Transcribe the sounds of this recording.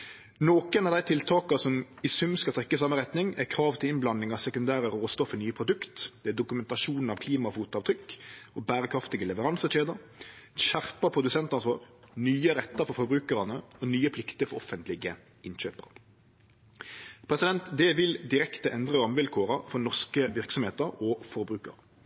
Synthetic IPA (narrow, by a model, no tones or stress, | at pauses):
noːkənɑʋd̪æɪt̪ʰɪlt̪ʰɑːkɑsɔmɪsʉmskɑlt̪ʰɾɛkːəsɑmːəɾɛt̪nɪŋækʰɾɑːʋt̪ʰɪlɪnblɑnːɪŋɑsɛkʉnd̪æːɾəɾoːst̪ɔfənyːəpʰɾʊd̪ʉkt̪d̪̥ɛæd̪ʊkʉmɛnt̪ɑʃuːnn̩ɑʋkʰliːmɑfuːt̪ɑːʋt̪ʰɾʏkːɔbæːɾəkʰɾɑft̪ɪɡəlɛʋəɾɑnsəʂeːd̪əɕæʁpɑpʰʁʊd̪ʉsɛnt̪ɑnsʋɑ̰ːʁnyːəɾɛt̪ːəfɔfɔbɾʉːkəɾɑnəɔnyːəpʰlɪkt̪əɾfɔʁɔfənt̪lɪɡə | ɪnɕøːpə̰ʁ | pʰɾɛsɪd̪ɛnt̪d̪ɛʋɪld̪ɪɾɛkt̪əʔɛnd̪ʁəɾɔmʋɪlkʰoːɾɑfɔnɔʁskəʋɪʁksɔmheːt̪əɾɔfɔɾbʁʉːkə̰ɾ